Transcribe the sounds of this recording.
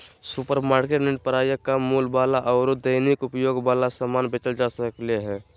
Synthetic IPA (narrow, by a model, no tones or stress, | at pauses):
supəɾmaːɾkeʈneʈ̚pəɾaːjəkamuːlbaːlaʔɔːɾod̪əɪnikʊpjoːɡbaːlasamaːnbɪt͡ʃəld͡ʒaːsəkleɦɛ̃ː